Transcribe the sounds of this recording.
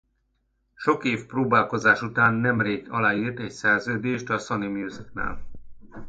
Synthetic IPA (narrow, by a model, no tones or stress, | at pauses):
ʃo̞keːfproːbaːlko̞zaːʃut̪aːnːɛmreːɡɒ̰laːiːrt̪ɛcsɛrzøːd̪eːʃt̪ɒsɒnimjuːzikna̰ːl